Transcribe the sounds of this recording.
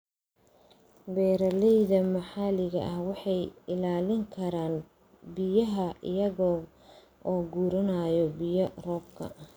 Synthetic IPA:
bɛːɾɐlɛjðɐmɐħɑlɪɣɐ̰ʔɐhwɑħɑjɪlaːlɪŋkʰɐɾaːn | bɪjɐɦɐʔɪ̰jɐɣɔː | ʔɔːɡuːɾɐnajɔbɪjɐrɔːb̚kʰɐ̰

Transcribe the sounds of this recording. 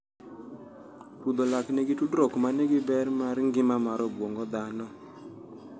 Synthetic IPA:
tud̪ɔlaknɛɡitudɾɔkmanɛɡɪbɛɾmaɾŋɡɪmamaɾɔbwɔŋɡɔd̪anɔ

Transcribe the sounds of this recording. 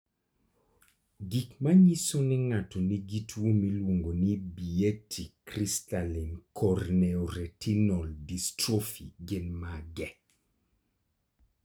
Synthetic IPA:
ɡikmaɲisonɛŋatɔniɡitwomilwoŋɡonibietʰikɾistalinkʰɔrnɛɔɾɛtinɔldistɾofḭɡɪnmaɡɛ

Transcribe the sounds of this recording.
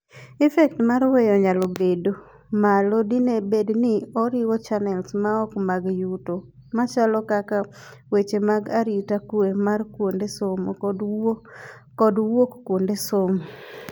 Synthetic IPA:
ɛfɛk̚tmaɾwejɔɲalobedo | malodinebednɪɔɾɪwɔt͡ʃanɛlsmaɔkmaɡjuto | mat͡ʃalɔkaka | wet͡ʃemaɡaɾitakuemarkwondesomod | kɔdwokkwondesomo

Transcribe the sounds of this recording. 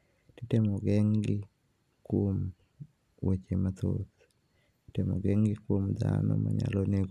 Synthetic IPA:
titemoɡɛŋɡɪ | kwom | wot͡ʃemat̪o̰t̪ | titemoɡɛŋɡɪkwomd̪anɔ̰maɲaloneɡ

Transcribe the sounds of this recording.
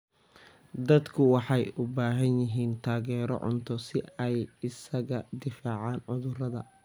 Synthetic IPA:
d̪ɐd̪kʰʊwɑħɑjʊbaːɦɐnjɪɦiːnt̪ʰaːɣɛːɾɔ̰ʕʊ̰nt̪ʰɔsɪɛjɪsɐɣɐd̪ɪfaːʕɑːnʕʊðʊrɐðɐ

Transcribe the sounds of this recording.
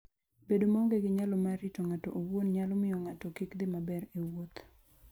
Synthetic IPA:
bedomaŋɡeɡɪɲalɔmaɾɪtoŋatɔʔowonɲalɔmɪjɔŋatɔkikd̪ɪmabɛɾewot̪

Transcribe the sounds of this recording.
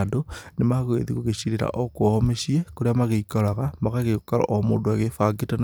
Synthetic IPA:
donemaɣwḛðiɣoɣeɕiɾeɾa̰ʔokwmeɕiekoɾeamaɣeikoɾaɣamaɣaɣeokaɾa̰ʔomo̰ːdoaɣefaɡetan

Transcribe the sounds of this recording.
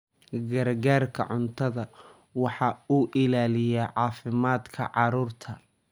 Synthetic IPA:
ɡɐrɡaːrkʰɐ̰ʕʊnt̪ʰɐðɐ | wɑħɑuːʔɪlaːlɪjɛʕɑːfɪmaːd̪kʰɐ̰ʕɑɾuːrt̪ʰɐ

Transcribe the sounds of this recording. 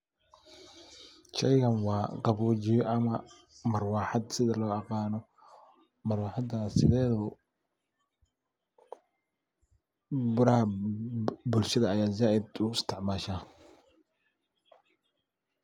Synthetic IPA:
t͡ʃɛjɣɐnwɑːqɑβuːt͡ʃɪjɔʔɐmɐ | mɐrwɑːħɑd̪sɪðɐlɔːɑqɑːnɔ | mɐrwɑːħɑd̪aːsɪðɛːðɔ | bʊɾɐhɐ | bʊlʃɐðɐːjaːzaːʔɪd̪ʊɪst̪ʰɪʕmaːʃaː

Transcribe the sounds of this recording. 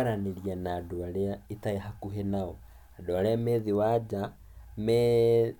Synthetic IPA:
aɾaneɾianaːdoaɾeaetaeɦakuɦenaɔ | adoaɾeamɛðiwad͡ʒa | mɛ

